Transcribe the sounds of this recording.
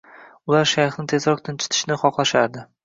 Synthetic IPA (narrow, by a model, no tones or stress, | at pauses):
ʊlaɾʃajχnɪt̪ʰe̞zɾɒq̚t̪ʰɪnt͡ʃʰɪ̥t̪ʰɪ̥ʃnɪχɒqlˠaʃaɾd̪ɪ